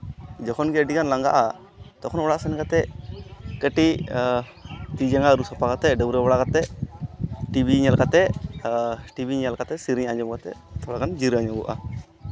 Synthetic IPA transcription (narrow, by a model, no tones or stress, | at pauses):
d͡ʒɔkʰɔnɡɛəɖikanlaŋɡa̰ʔa | t̪ɔkʰɔnɔɽaʔsɛnkat̪ɛʔkəʈi | t̪id͡ʒaŋaɾusɔpakat̪ɛʔɖəwɾɛbɔɽakat̪ɛʔ | ʈibiɲalkat̪ɛʔ | ʈibʱiɲalkat̪ɛsiɾiɲaɲd͡ʒɔmkat̪ɛ̰t̪ʰɔɽakand͡ʒiɾaɲɔbṵʔa̰